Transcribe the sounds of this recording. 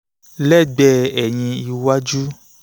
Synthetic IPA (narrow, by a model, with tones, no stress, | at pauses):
lɛ˦˨ɡ͡bɛ˧˨ɛ˨ɲ̃ĩ˧i˧wa˦d͡ʒu˦